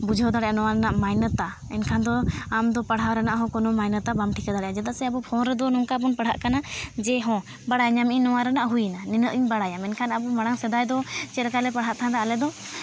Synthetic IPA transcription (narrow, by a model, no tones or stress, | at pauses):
bud͡ʒʱɔd̪aɽɛʔanɔwaɾɛnaʔmajnət̪a | ɛ̰nkʰand̪ɔamd̪ɔpəɽɦawɾɛnaʔɦɔ̃kɔnɔmajnət̪abamʈʰikad̪aɽɛʔad͡ʒad̪asɛabɔpʰɔnɾɛd̪ɔnɔŋkapɔnpəɽ̤ʱɦa̰ʔkanad͡ʒɛɦɔ̃ | baɽajɲamiɲnɔwaɾɛnaʔɦujnaninəʔiɲbaɽajamɛnkʰanabɔmaɽaŋsɛd̪ajd̪ɔt͡ʃɛɾkalɛpəɽɦaʔt̪ʰand̪aalɛd̪ɔ